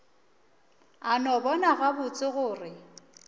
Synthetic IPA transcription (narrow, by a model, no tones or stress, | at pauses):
anɔbɔnaɣabʊt͡sʼɪɣʊːrɪ